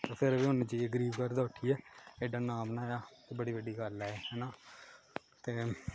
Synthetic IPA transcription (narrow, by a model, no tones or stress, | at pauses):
t̪eːpʰɪɾʋeːʊneːd͡ʒiːɡəɾiːʋkəɾd̪aːʊʈʰiɛːeɖaːnaːmnãːjaːt̪eːbəɽiːbəɖiːɡəlːeːɦɛːnaː | t̪eː